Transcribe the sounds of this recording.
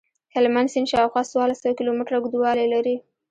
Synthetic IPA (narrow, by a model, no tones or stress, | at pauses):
hɪlmansinʃɑwxwɑswɑlasawkɪlomɪʈɾaɡd̪uwɑlelaɾi